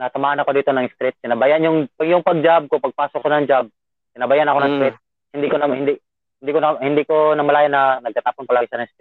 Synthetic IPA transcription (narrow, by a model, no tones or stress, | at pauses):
nɐasɐmaːhɐnɐko̞d̪iːt̪o̞nɐŋst̪ɾɪt̪̚kɪnɐbajanjʊŋpɐjʊŋpɐɡ̚d͡ʒab̚kopɐɡ̚paːsokːonɐŋd͡ʒab̚ | sɪnɐbajanɐko̞nɐŋst̪ɾɛt̪̚ | hɪnd̪ikonɐhɪnd̪i | hɪnd̪iːkonɐhɪnd̪iːkonɐmɐlaːjanɐnɐɡ̚t̪at̪aːponpɐlaːɡasanɐŋst̪ɾɪt̪̚